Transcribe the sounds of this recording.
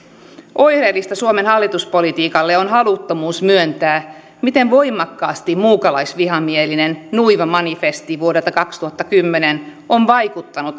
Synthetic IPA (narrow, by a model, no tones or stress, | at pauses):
ʔo̞jhreːlːist̪ɑsuomenhɑlːit̪uspo̞lit̪iːkɑlːeonɦɑlut̪ːomuːsmyønt̪æː | mit̪e̞ɱʋo̞jmˑɑkːɑːst̪immuːkɑlɑjsʋiɦɑmielinennuiʋɑmɑnifest̪iʋuodelt̪ɑkɑkst̪uhɑt̪ːɑkymːenenʔoɱʋɑjkut̪ːɑnut̪